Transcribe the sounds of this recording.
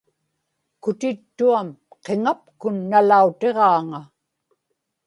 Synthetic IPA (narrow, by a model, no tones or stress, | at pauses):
kʊt̪ɪt̪ːuamqe̞ŋapkʊnːalaut̪e̞ʁɑːŋa